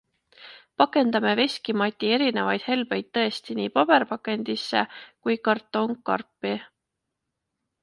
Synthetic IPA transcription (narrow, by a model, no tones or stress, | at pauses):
pɑkˑe̞nd̪ɑme̞ve̞sʲkimɑt̪ʲːˑie̞ɾine̞vɑjd̪̥he̞lb̥e̞jd̪̥̚t̪ɤ̞e̞st̪iniːpɑb̥e̞ɾpɑkˑe̞nʲd̪̥isːe̞kujkɑrt̪ːˑo̞ŋkːɑ̰rpːˑi